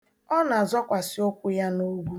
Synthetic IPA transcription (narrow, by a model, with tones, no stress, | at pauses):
ɔ˦na˨zɔ˦kʷa˨sɪ˦o˦kʷʊ˦ja˦no˦ɡu˦